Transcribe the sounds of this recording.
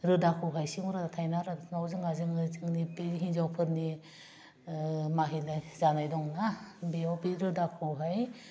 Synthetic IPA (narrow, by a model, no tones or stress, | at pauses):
ɾɯdakʰuwɦajsiŋɔɾadatʰajnaɾanawzɯŋazɯŋzɯŋnipeɦiŋzawpʰɯɾni | maɦilajzanajdɔŋnabiɔwbiɾɯdakʰuɦaj